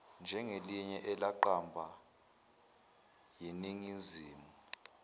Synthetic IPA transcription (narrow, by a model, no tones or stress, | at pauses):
nd͡ʒʱɛŋeliɲɛʔɛlaǃambʱa | jiniŋiziːmu